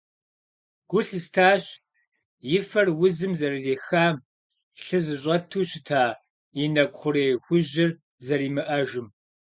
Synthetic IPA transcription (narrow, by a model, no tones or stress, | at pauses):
ɡ̥ʷʊɬɨstʰaːɕ | jɪfɐrwʊzɨmzɐrɨdeːxaːm | ɬɨzɨɕ̬ʼɐtʰuːɕɪtʰaː | inɐkʷχʷʊɾeːxʷʊʑɪr | zɐɾiːmɨʔɐʒɪm